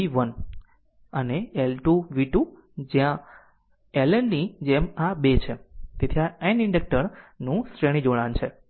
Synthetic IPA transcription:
iʋən | əneelʈuʋiʈu | d͡ʒjã | elənnid͡ʒemabet͡ʃʰet̪et̪ʰiaeniɳɖək̚ʈəɾnũsɾeɽ̃ĩd͡ʒoɽant͡ʃʰe

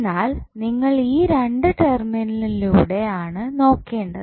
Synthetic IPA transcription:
naːlniŋːɐɭiːɾe̞ɳɖɨʈerminɐliluːɽe̞aːɳɨno̞ːkːe̞ːɳɖɐ̰ð

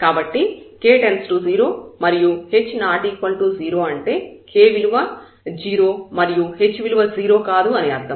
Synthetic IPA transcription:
kaːbɐʈːikeːʈensʈuːziːɾo̞ːmɐɾijuhe̞t͡ʃːnaːʈiːkʋɐnʈuːziːɾo̞ːɐɳʈe̞ːkeːʋiluʋɐ | d͡ʒiːɾo̞ːmɐɾijuɦe̞t͡ʃːʋiluʋɐd͡ʒiːɾoːkaːd̪uɐniɐɾd̪ɐm

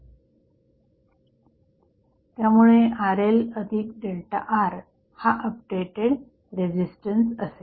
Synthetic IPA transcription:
t̪jamuɭeʔaɾeləd̪ʱik̚ɖelʈa̰ʔaɾ | haʔəp̚ɖeʈeɽ | ɾed͡ʑisʈənsəse

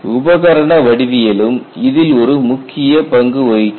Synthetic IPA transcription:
ʊbɐɣɐɾɐɳɐʋɐɽɪʋɪjɐlɯmɪðɪlɔɾɯmʊkʰːɪjɐpɐŋɡɯɐjɪt͡ʃː

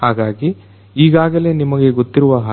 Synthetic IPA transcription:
haːɡaːɡi | iːɡaːɡɐle̞ːnimɐɡe̞ɡot̪ːiɾuʋɐɦa

